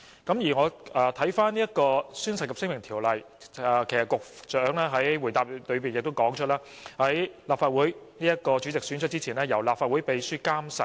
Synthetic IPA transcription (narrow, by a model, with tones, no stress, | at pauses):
kɐ˨˥mjiː˨˩ŋɔː˨˧ɛː˨˧t̪ʰɐ˨˥jfaː˥niː˥jɐ˥t̚kɔː˧syː˥nsɐ˨t̚kɐ˨psɪ˥ŋmɪ˨˩ŋt̪ʰiː˨˩wlɐ˨j | ɛ˨kʰjsɐ˨tkʊ˨k̚t͡ʃœː˨˥ŋlɛː˥ɦɐ˨˥jwuː˨˩jt̪aː˨p̚lɵ˨˧ɥpiː˨njɪ˨k̚t̪o˥wkɔː˨˥ŋt͡ʃʰɵ˥laː˥ | hɐ˨˥jlaː˨p̚faː˧t̚wuː˨˥jniː˥jɐ˥t̚kɔː˧t͡ʃyː˨˥t͡sɪ˨ksyː˨˥nt͡ʃʰt̚t͡si˥t͡sʰiː˨˩nɛː˥jɐ˨˩wlaː˨p̚faː˧t̚wuː˨˥jpe˨˧jsyː˥kaː˥msɐ˨˩